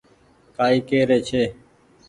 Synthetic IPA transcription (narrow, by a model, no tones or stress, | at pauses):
kaːiːkeːɾeːt͡ʃʰeː